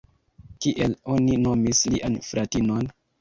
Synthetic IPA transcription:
kiʔelo̞ninomisliʔanfɾʔatinon

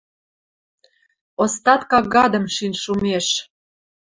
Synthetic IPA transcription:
ost̪ɑt̪kɑɑd̪ə̆mʃinʲʃumeʃ

